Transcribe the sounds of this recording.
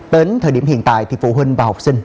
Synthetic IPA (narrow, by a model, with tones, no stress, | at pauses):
t̪e˨˦nt̪ʰəː˨˩jɗi˧˩əmhḭ˧˨ənt̪a̰ː˧˨jt̪ʰi˨˩fṵ˧˥ɦwï˧ŋ̟vaː˨˩ha˨˩wk͡p̚sï˧ŋ̟